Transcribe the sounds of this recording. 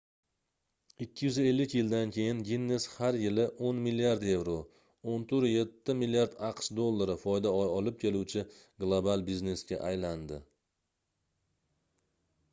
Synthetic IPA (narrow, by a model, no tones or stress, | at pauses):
ɪkʲʰːɪjʏze̞lːɪkʲjɪld̪ankʲʰe̞jɪnvʲinːeshaɾjɪlɪʔonmiliaɾd̪e̞vɾo | ont̪ʰɵɾje̞t̪ʰːɪmilijaɾd̪ɑqʃd̪olˠːaɾɪfɒjd̪aɒjɒlɪp̚kʲʰe̞luwt͡ʃʰɪ | ɡlˠobalˠbizne̞sɡʲa̰ʔajland̪ɪ